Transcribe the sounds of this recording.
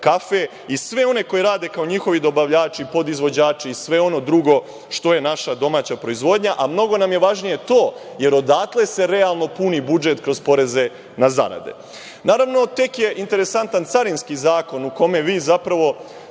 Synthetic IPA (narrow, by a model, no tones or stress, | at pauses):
kafe̞ | isʋe̞o̞ne̞ko̞jiɾaːd̪e̞kao̞ɲixo̞ʋid̪o̞baʋʎaːt͡ʃiipo̞d̪izʋo̞d͡ʑaːt͡ʃiisʋe̞o̞no̞d̪ɾuɡo̞ | ʃt̪o̞je̞naʃad̪o̞maːt͡ɕapɾo̞izʋo̞d̪ɲaʔamno̞ɡo̞namjeʋaʒnije̞t̪o̞ː | je̞ɾo̞d̪aːt̪lˠe̞se̞ɾe̞alˠno̞punibud͡ʒe̞t̪kɾo̞zpo̞ɾe̞ze̞ | naza̰ɾa̰d̪e̞̰ | naːɾaʋno̞t̪e̞kje̞ʔint̪e̞ɾe̞sant̪ant̪saɾinskizaːko̞nuko̞me̞ʋiːzapɾaʋo̞